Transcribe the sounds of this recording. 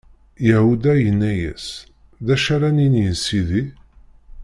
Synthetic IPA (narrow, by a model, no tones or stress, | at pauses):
jæhud̪æjənːæjæ̰s | ðæʃaɾæninjənsiði